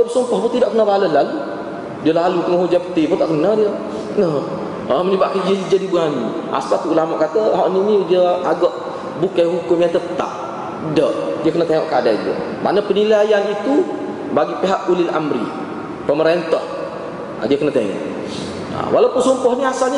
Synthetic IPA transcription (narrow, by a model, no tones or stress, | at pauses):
bəpəsumpɔhbɔt̪idɔʔkənəbaləlalu | diəlaluk̪əŋaɦud͡ʒapə̥t̪ibɔt̪ɔʔkənədiə | nəh | əməɲəbaʔkand͡ʒəid͡ʒadibuani | a̰spat̪uʔulamaʔkat̪əɦɔʔniniudiəaɡɔʔ | bukajɦukʊmjat̪ət̪a̰p̚ | dəʔdiəkənət̪eŋɔ̰ʔkadaidiə̰ma̰nəpənilajanit̪u | baɡipiɦaʔulɪla̰mɾḭ | pəməɾent̪ɔh | a̰diəkənət̪eŋɔ̰ʔ | ə̰wʔalawpʊnsumpɔhniasalɲə